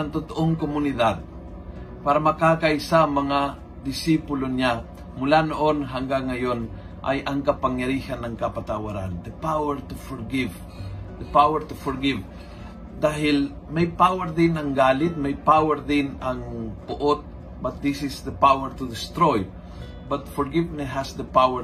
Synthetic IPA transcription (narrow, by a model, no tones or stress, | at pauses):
aŋt̪ot̪oʔoŋkomunid̪ad̪̚ | paɾamɐkakajsaŋmɐŋa | d̪ɪsipulona | mʊlanoʔonɦaŋɡaŋːajon | ʔa̰jʔaŋkɐpaŋjaɾihanːɐŋkapat̪awaɾa̰nd̪əpawɛɾt̪ufɔɾɡɪv | d̪əpawɛɾt̪ufɔɾɡɪv | d̪aɦɪl | mɛjpawɛɾd̪ɪnaŋɡaːlɪt̪̚mɛjpawɛɾd̪ɪnaŋpʊʔot̪̚ | bat̪̚d̪isɪsd̪əpawɛɾt̪ud̪ɪst̪ɾoj | bat̪̚fɔɾɡɪvnɛɦasd̪əpawɛ